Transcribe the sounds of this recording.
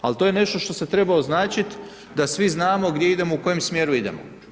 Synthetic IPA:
alt̪ojene̞ʃt̪o̞ʃt̪o̞se̞t̪ɾe̞baoznaːt͡ʃit̪ | d̪asʋiznaːmo̞ɡd̪jeid̪e̞mo̞uko̞jemsmjeːɾuid̪e̞̰mo̰

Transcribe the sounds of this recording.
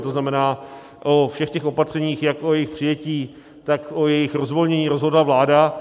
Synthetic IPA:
t̪oznamɛnaː | ʔofʃɛxcɛxo̞pat̪r̝̥ɛɲiːxjakʔojɛjɪxpr̝̥ɪjɛciː | t̪akʔojɛjɪxɾozvo̞lɲɛɲiːɾozɦo̞dlavlaːda

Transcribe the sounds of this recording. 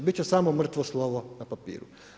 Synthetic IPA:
bit͡ɕɛsaːmomr̩t̪ʋoslˠoːʋonapapḭːɾṵ

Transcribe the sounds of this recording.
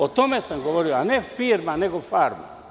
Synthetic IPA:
ot̪omeseŋɡoʋoɾioanefirmaneɡofarma̰

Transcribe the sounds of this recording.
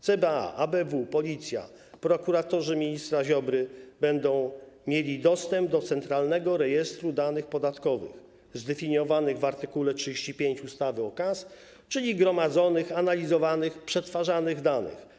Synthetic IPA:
t̪sɛbɛa̰ʔabɛvupɔlʲit̪sʲja̰ | pɾɔkuɾat̪ɔʐɘmʲiɲist̪ɾaʑɔbɾɘbɛnd̪ɔ̃w̃ | mʲjelʲid̪ɔst̪ɛmbd̪ɔt̪sɛnt̪ɾalnɛɡɔɾɛjɛst̪ɾud̪anɘxpɔd̪at̪kɔvɘ̰x | zd̪ɛfʲiɲjɔvanɘɣvaɾt̪ɘkulɛtʂɨd͡ʑeɕt͡ɕipʲjeɲt͡ɕust̪avɘɔkas | t͡ʂɘlʲiɡɾɔmad̪zɔnɘxanalʲizɔvanɘxpʂɛt̪faʐanɘɣd̪anɘ̰x

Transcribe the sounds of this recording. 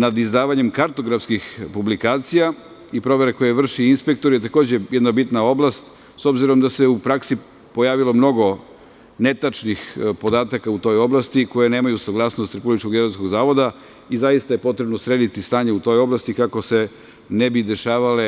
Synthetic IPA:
nad̪izd̪aːʋaɲemkaɾt̪o̞ɡɾafskixpublikaːt̪sija | ipɾo̞ʋe̞ɾeko̞jeʋr̩ʃiinspe̞k̚t̪o̞ɾjet̪ako̞ːd͡ʑe̞jed̪nabit̪nao̞blˠast̪ | so̞bziɾo̞md̪ase̞upɾaksi | po̞jaːʋilo̞mno̞ɡo̞ | net̪at͡ʃnixpo̞d̪aːt̪akaut̪o̞jo̞blˠast̪iko̞jene̞ːmajusaɡlˠaːsno̞st̪ɾepublit͡ʃko̞ɡeɾosko̞ɡzaːʋo̞d̪a | izajist̪aje̞po̞t̪ɾe̞bnosɾed̪it̪ist̪aːɲeut̪o̞jo̞blˠast̪ikako̞se̞ | nebid̪e̞ʃaːʋale̞

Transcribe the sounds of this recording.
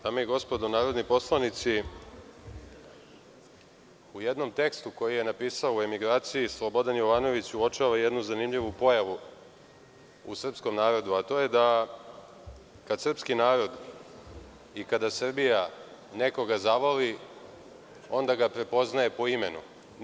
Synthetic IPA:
d̪amojeɡo̞spo̞d̪onaːɾo̞d̪nipo̞slˠanit̪si | ujed̪no̞mt̪e̞kst̪uko̞jije̞napiːsaoue̞miɡɾaːt̪sijislˠo̞bo̞d̪anjo̞ʋaːno̞ʋit͡ɕuot͡ʃaʋaje̞d̪nuzanimʎiʋupo̞jaʋu | ṵsr̩psko̞mnaːɾo̞d̪uat̪o̞je̞d̪a | kad̪sr̩pskinaːɾo̞d̪ | ikad̪asr̩bija | ne̞ko̞ɡazaʋoli | o̞nd̪aɡapɾe̞po̞znaje̞po̞ime̞nṵ

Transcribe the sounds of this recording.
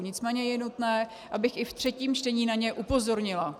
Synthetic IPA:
ɲɪt͡smɛːɲɛjɛnut̪nɛː | ʔabɪxɪft̪r̥ɛciːmt͡ʃtɛɲiːnaɲɛʔupo̞zo̞ɾɲɪla

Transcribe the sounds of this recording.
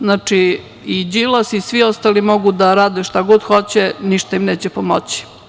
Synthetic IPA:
znat͡ʂi | id͡ʑilasisʋiost̪aːlimo̞ɡud̪aɾaːd̪eʃt̪aɡo̞d̪xo̞t͡ɕeniʃt̪aimneːt͡ɕepomot͡ɕi̥

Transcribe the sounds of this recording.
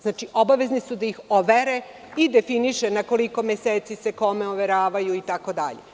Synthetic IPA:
znaːt͡ʃiʔo̞baʋe̞znisud̪aixoʋeɾe | id̪e̞finiʃenako̞liko̞mjeseːt̪sise̞ko̞meoʋe̞ɾaːʋajuit̪ako̞d̪a̰ʎḛ

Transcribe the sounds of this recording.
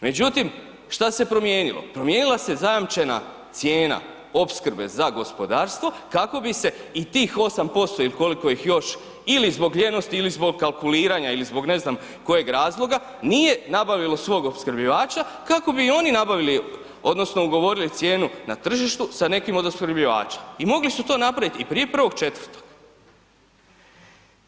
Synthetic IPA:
me̞d͡ʑut̪im | ʃt̪ase̞pɾo̞mje̞ːnilo̰pɾo̞mje̞nilˠase̞zajamt͡ʃe̞na̰ | t̪sje̞ːna̰ | o̞pskɾ̩be̞̰zaɡo̞spo̞d̪aːɾst̪ʋo̞ | kako̞bise̞it̪iːxo̞sampo̞st̪o̞iliko̞liko̞jixjo̞ʃ | ilizbo̞ɡleno̞st̪iilizbo̞ɡ̚kːalˠkuliːɾaɲailizbo̞ɡne̞znam | ko̞je̞ɡɾaːzlˠo̞ɡa | nije̞nabaʋilˠo̞sʋo̞ːɡopskr̩bʎiʋaːt͡ʃakako̞biːo̞ninabaʋili | o̞d̪no̞sno̞uɡo̞ʋo̞ɾilit̪sje̞ːnunat̪r̩ʒiʃt̪usane̞kimo̞d̪oskɾrbʎiʋa̰ːt͡ʃḁimo̞ɡlisut̪o̞ːnapɾaʋit̪ipɾije̞pr̩ʋo̞ɡ̥t͡ʃe̞t̪ʋərɾt̪o̞̥ɡ̥

